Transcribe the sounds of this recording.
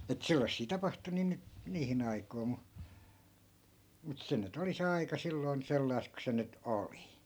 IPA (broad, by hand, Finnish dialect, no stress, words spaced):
et selːɑsːiː tɑpɑhtu niː nyt niːhin ɑikoi̯ mu mut se nyt oli se ɑikɑ silːoi̯n selːɑi̯st ku se nyt oli